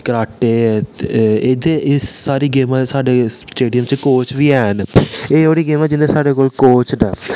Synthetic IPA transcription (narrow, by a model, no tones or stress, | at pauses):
kəɾaːʈeː | eːd̪eːʔɪsːaːɾiːɡeːmɛ̃ːsaːɖeːsʈeːɖijəmt͡ʃkoːt͡ʃʋiːɛːneːoːɽiːɡeːmɛːd͡ʒɪnːẽːsaːɖeːkoːlkoːt͡ʃnɛː